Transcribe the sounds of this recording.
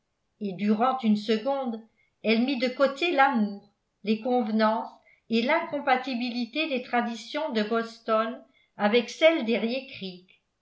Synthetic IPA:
ed̪yʁɑ̃t̪ynsəɡɔ̃d̪ | ɛlmid̪əkot̪elamuːʁ | lekɔ̃vnɑ̃s | elɛ̃kɔ̃pat̪ibilit̪ed̪et̪χad̪isjɔ̃d̪əbɔst̪ɔn | avɛksɛld̪eʁjekχik

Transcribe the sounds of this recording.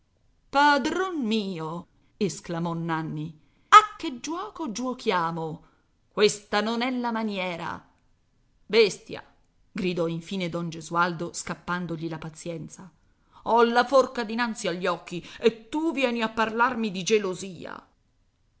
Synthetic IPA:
pad̪ɾonmiːo | esklamɔnːanːi | akːed͡ʒːwɔːkod͡ʒuokjaːmo | kwest̪anonɛlːamanjɛːɾa̰ | best̪ja̰ | ɡɾid̪ɔiɱfiːned̪ɔnd͡ʒezuald̪oskapːand̪oʎilapat̪sjɛnt̪sa | ɔlːaforkad̪inant̪siaʎːɔkːiet̪ːuvjɛːniapːarlarmid̪id͡ʒeloziːa̰

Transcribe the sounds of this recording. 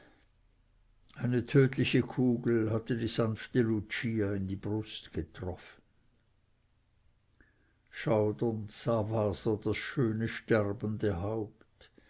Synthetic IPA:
aɪnətʰøːtlɪçəkʰuːɡl̩ɦat̪ədiːz̥anftəlut͡ʃiːaɪndib̥ʁʊstɡ̥ət̪ʁɔfən̩ | ʃaʊdəntsaːvaːsɐdasʃøːnəʃtɛrbəndəɦaʊpt

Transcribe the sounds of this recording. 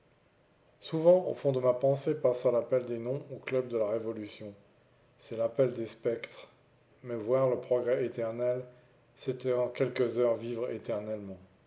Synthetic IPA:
suvɑ̃o̰fɔ̃d̪əmapɑ̃sepasalapɛld̪enɔ̃oklœb̚d̪əlaʁevɔlysjɔ̃ | sɛlapɛld̪espɛkt̪χ | mɛvwaʁləpχɔɡʁɛet̪ɛʁnɛl | set̪ɛɑ̃kʲɛlkəzœʁvivʁḛt̪ɛʁnɛlmɑ̃

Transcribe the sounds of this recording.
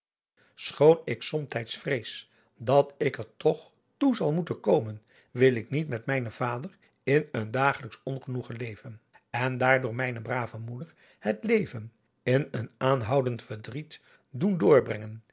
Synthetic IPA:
sχownɪksɔmtɛjtsfrejs | dɑtɪkəɹtɔχ | tuzɑlˠmutənkowmən | ʋɪlˠɪknitmɛtmɛjnəv̥aːdər | ɪnəndaːχələksɔnχənuχəlejvən | ɛndaːɹdʊːɹmɛjnəbraːvəmudəɹ | hətlejvən | ɪnənaːnɦʌwdəntfəɹdrit | dundʊːɹbrɛŋən

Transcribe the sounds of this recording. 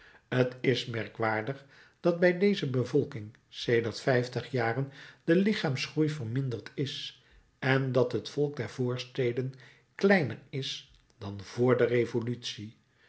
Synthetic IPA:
ətɪsmɛɹkʋaːɹdəχ | d̥ɑd̚bɛjdejzəbəvɔlˠkɪŋ | sejdərtfɛjftəχjaːrənd̥əlɪχaːmsχrujvərmɪndərtʰɪs | ɛndɑtɦətfɔlˠk̚dɛɹv̥oːɹstejdən | klɛjnərɪs | d̥ɑnv̥ʊːɹdərejvolytsi

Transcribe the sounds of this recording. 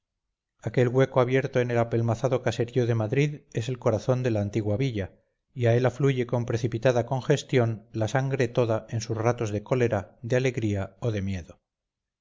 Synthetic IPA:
ake̞lɣwe̞koaβje̞ɾt̪oe̞nelape̞lmaθaðo̞kase̞ɾioðemaðɾiðe̞se̞lko̞ɾaθo̞nd̪e̞laːnt̪iɣwaβiʎa | iae̞lafluʝe̞ko̞mpɾe̞θipit̪aðako̞ŋxe̞st̪jo̞nlasaŋɡɾe̞t̪o̞ðae̞nsusrat̪o̞zðe̞ko̞leɾaðeale̞ɣɾiaoðe̞mje̞ðo̞

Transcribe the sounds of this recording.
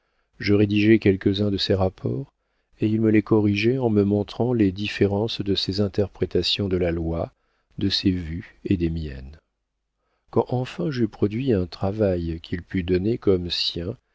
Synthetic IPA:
ʒəʁed̪iʒɛkʲɛlkəzɛ̃d̪əseʁapʰɔːʁ | eilməlekɔʁiʒɛɑ̃məmɔ̃t̪χɑ̃led̪ifeʁɑ̃sd̪əsezɛ̃t̪ɛʁpχet̪asjɔ̃d̪əlalwa | d̪əsevyed̪emjɛ̰n | kɑ̃ʔɑ̃fɛ̃ʒypχɔd̪ɥiɛ̃t̪χavajkʰʲilpyd̪ɔnekɔmsjɛ̃

